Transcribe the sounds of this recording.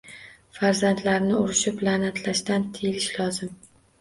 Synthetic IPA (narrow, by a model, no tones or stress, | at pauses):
faɾzant̪ʰlaɾnɪʊɾɪʃɪplanat̪ʰlaʃt̪ant̪ʰejlɪʃlɒzɪm